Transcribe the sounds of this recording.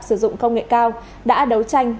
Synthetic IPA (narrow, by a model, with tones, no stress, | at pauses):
sɨ˧˩zʊ̰˧˨ŋ͡mkə˧wŋ͡mŋḛ˧˨kaː˧w | ɗa̰ː˧˥ɗə˨˦wt͡ɕa˧jŋ̟